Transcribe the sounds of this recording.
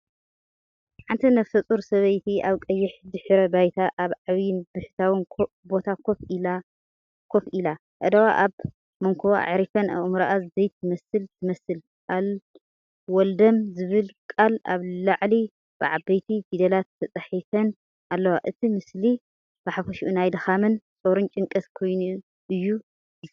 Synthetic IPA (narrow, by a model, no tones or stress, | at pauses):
ħant̪ʰinɐfsɐt͡sʼuɾsɐβɐjt̪ʰiaβkʼɐjːɪħd̪ɨħɾɐbajt̪ʰaʔaβʕaβjɪnbɨħt̪ʰawɨn | bo̞t̪ʰakʰofila | kʰofila | ʔə̰d̪ɐwa̰ʔaβ | mɐŋkʰuwa̰ʕɾifɐnɐ̰ʔmɾaʔazɨzɐjt̪ʰɨmɐsɨlt̪ʰɨmɐsɨl | al | wɔld̪ɐmzɨβɨlkʼala̰βlaʕli | b̥ɨʕabɐjt̪ʰibid̪ɐlat̪ʰːɐt͡sʼɐħifɐn | alːɐwaʔɨt̪ʰimɨsli | b̥aħafɐʃiʔunajd̪ɨxamɨnt͡sʼoɾunt͡ʃʼɨŋkʼɐskʰo̞jnu | ʔɨjːu